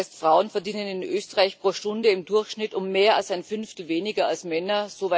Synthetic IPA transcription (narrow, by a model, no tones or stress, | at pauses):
ɪstfʁ̥aʊənfɛɐdiːnənɪnʔøːstəʁaɪçpʁ̥oːʃtʊndəɪmdʊɐçʃnɪtʊmːeːɐalsaɪnfʏnftl̩veːnɪɡɐalsmɛnɐz̥ova